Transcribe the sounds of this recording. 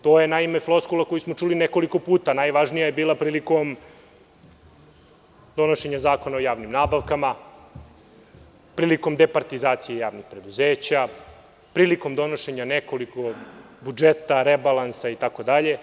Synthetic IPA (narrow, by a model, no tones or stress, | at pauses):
t̪o̞ːjenaimefloskulˠakojismo̞t͡ʂulineko̞liko̞puːt̪anajʋaʒnijajebiːlˠapɾiːliko̞m | d̪o̞noʃe̞ɲazaːko̞naojaːʋnimnaːbaʋkama | pɾiːliko̞md̪epaɾt̪izaːt̪sijejaːʋnixpɾe̞d̪uzeːt͡ɕa | pɾiːliko̞md̪o̞noʃe̞ɲaneko̞liko̞bud͡ʒet̪aɾebalˠansait̪ako̞d̪aʎe̞